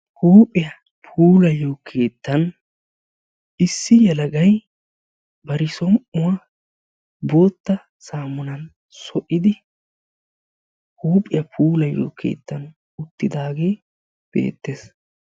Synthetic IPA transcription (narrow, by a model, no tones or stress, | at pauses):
huːpʼːɪjɐ | pʰuːlɐjːoːkʰe̞ːt̪ːɐn | ɪsːɪjɛlɐɡɐj | bɐɾɪsɔmʔʊwɐ | boːt̪ːɐ | saːmʊnɐn | sɔʔɪd̪ɪ | huːpʼːɪjɐpʰuːlɐjːo̰ːkʰe̞̰ːt̪ːɐn | ʊt̪ːɪd̪aːɡe̞ː | b̥ḛːt̪ːeːs